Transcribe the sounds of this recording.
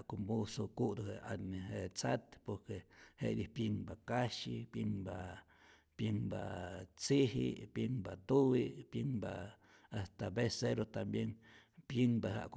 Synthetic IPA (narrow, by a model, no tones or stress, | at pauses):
kombusokud̪uhea̰nehet͡sat̪poɾkehḛʔdihpjiŋbakaʃipjiŋba | pjiŋba̰t͡siɦḭpjiŋbat̪uwipjiŋba | ast̪abeseɾot̪ambjeŋ | pjiŋbaɦa̰ʔk